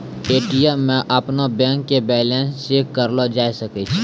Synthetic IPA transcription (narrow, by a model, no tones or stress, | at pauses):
eːʈijamẽʔəpnobɛ̃ːŋkːebɛːlɛ̃ːnst͡ʃeːkːəɾlod͡ʒaːisəkit͡ʃʰ